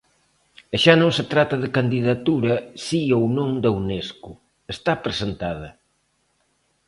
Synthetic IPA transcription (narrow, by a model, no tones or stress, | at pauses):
ʃanõŋset̪ɾat̪ɐðɪkand̪iðɐt̪uɾɐsiownõŋd̪ewneskʊ | est̪apɾesent̪að̞ɐ